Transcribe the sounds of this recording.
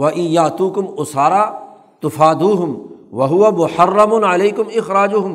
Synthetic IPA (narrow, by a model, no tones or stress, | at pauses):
wɐʔɪ̃njaːt̪uːkʊmʊsaːɾaː | t̪ʊfaːd̪uːɦʊmwɐɦʊwamʊħɐrˤːɐmʊnʕaleːkʊmɪxɾaːd͡ʒʊɦʊm